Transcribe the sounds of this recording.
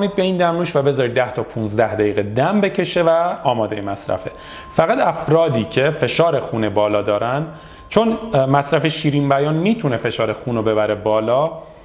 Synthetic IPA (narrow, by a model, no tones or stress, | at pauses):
niːd̪̚be̞iːnd̪æmnuːʃvæbe̞zɒːɾiːd̪̚ːæht̪ʰɒːpʰunzd̪æhd̪æjiːɣed̪æmbe̞cʰe̞ʃe̞væɒːmɒːd̪ejemæsɾæ̰fe̞ | fæɣæd̪æfɾɒːd̪iːcʰe̞fe̞ʃɒːɾexunebɒːlɒːd̪ɒːɾʔænd̪ | t͡ʃʰonmæsɾæfeʃiːɾiːmbæjɒːnmiːt̪ʰune̞fe̞ʃɒːɾexuːnobe̞bæɾe̞bɒːlɒː